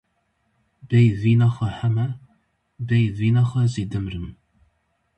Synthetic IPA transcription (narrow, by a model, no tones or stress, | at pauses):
bejviːnɐχɐħamɐ | bejviːnɐχɐziːdɨmrɨm